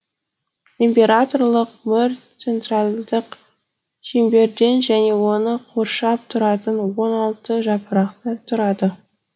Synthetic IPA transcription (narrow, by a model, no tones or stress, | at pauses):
impʲe̞ɾat̪o̞rlˠəq̚mʏɾt̪se̞nt̪ralˠd̪əq | ʃembe̞ɾd̪e̞nʒæne̞wo̞nəqʰoɾʃɑp̚t̪ʰʊɾɑt̪ənwo̞nɑlˠt̪əʒɑpəɾɑqt̪ət̪ʰʊɾɑd̪ə